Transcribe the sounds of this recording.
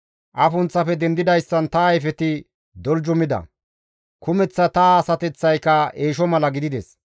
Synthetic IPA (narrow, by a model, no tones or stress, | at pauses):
ʔɐfʊnt͡sːɐfɛd̪ɛnd̪ɪd̪ɐjsːɐnt̪ɐːjfɛt̪ɪ | d̪ɔld͡ʒʊmɪd̪ɐ̰ | kʰʊmɛt͡sːɐt̪ɐsɐt̪ɛt͡sːɐjkːɐeːʃ̬ɔmɐlɐɡɪd̪ɪd̪ɛs